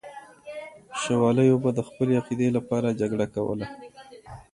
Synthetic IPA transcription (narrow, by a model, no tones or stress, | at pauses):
ʃawɑləjobad̪əxpəleaqid̪elapɑɾad͡ʒaɡɽakawə̰la